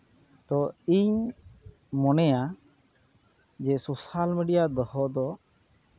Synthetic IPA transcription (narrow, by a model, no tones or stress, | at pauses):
t̪ɔiɲ | mɔnɛja | d͡ʒɛsosalmiɖijad̪əhɔd̪ɔ